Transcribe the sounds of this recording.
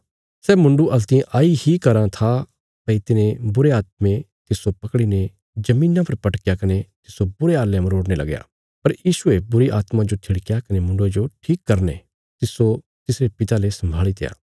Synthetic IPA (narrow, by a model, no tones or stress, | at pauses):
sɛːmʊ̃ɳɖuʔɐlt̪iãʔaːihikɐɾãt̪ʰa | t̪ɐit̪ɪnẽbʊɾeaːt̪̚mẽ | t̪ɪsopɐkɽine | d͡ʒɐmĩːnãpʰɐɾpɐʈkjakɐnet̪ɪsobʊɾeaːlːjamɾoːɽnelɐ̰ɡja̰ː | pɐɾjiːʃʊebʊɾiʔaːt̪mãd͡ʒot̪ʰɪɽkjakɐnemʊ̃ɳɖod͡ʒoʈʰiːkːɐɾnḛ | t̪ɪso | t̪ɪsɾepɪt̪alesɐ̃mbʱaːɭit̪eja̰ː